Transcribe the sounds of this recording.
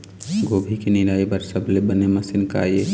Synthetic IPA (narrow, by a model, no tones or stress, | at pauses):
ɡoːbʱikinɪɾaːibəɾsɐbʱlebənemɐsɪnka̰je